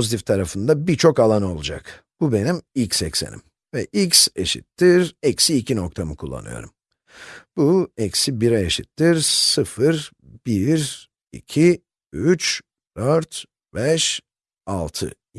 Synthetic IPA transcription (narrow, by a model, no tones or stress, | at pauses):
po̞zit̪ʰift̪ʰaɾafɯnd̪abiɾt͡ʃʰo̞kalˠano̞lˠud͡ʒa̰k | b̥ube̞nimicsɛ̰csḛnḭm | vɛ̰ʔicsḛʃḭt̪ʰːiɾɛcsiːcʰino̞kt̪ʰamɯkʰulˠːa̰nɯ̰jo̞̰ɾum | b̥uɛcsibiɾɛeʃit̪ʰːiɾsɯfɯɾbiɾ | ḭcʰi | yt͡ʃ | d̪̥øɾt̪ | bɛʃ | alˠt̪ʰɯ̰